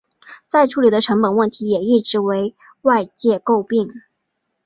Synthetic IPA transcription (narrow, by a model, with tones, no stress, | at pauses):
t͡sa˥˧ɪʈ͡ʂʰu˧˥li˨˩d̪ə˦ʈ͡ʂʰɤ˧˥ŋpə˨˩nwə˥˩nt̪ʰi˧˥jɛ˨˩i˥˩ʈ͡ʂɻ̩˧˥we˧˥ɪ | wa˥˧ɪt͡ɕjɛ˥˧ko˥˧ʊpi˥˩ŋ